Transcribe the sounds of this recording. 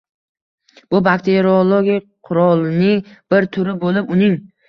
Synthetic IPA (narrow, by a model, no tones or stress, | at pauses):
b̥ʊbakt̪ʰeɾiolˠoɡʲijqʰʊɾɒlˠnɪŋb̥ɪɾt̪ʰʊɾɪbolɪpʊnɪŋ